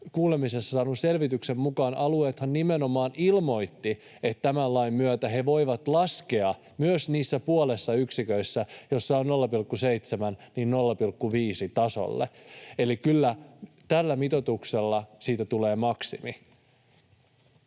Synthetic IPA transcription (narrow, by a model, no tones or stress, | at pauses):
kuːle̞mise̞sːɑsɑːnuse̞lʋit̪ykse̞mmukɑːnɑlue̞ːt̪hɑnːimeno̞mɑːnilmo̞jt̪ːi | et̪tːæmælɑimːyøt̪æɦe̞ʋo̞jʋɑt̪lɑskeɑ | myøsniːsːæpuole̞sːɑyksikøisːæjo̞sːɑonno̞lːɑpilkːusejt̪semænniːnno̞lːɑpilkːuʋiːsit̪ɑso̰lːḛelikylːæ | t̪ælːæmit̪o̞t̪ukse̞lːɑsiːt̪æt̪ule̞ːmɑksimi